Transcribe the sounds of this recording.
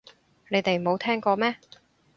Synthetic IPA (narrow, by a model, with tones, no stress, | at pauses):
ne˨˧jt̪e˨jo˨˧wt̪ʰɛː˥ŋkɔː˧mɛː˥